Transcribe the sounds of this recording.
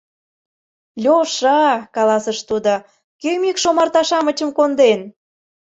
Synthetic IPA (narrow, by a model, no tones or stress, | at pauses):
lʲoʃɑkɑlɑsəʃt̪ud̪o | kømikʃomɑrt̪ɑʃɑmət͡ɕə̆mkond̪en